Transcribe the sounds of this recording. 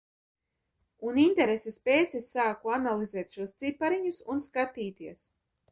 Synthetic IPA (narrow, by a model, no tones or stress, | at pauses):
unint̪ɛɾesɛspʲeːt̪sɛsːaːkuanalˠizɛːt̪ʃuɔst̪sipaɾiɲusunskat̪iːt̪iɛs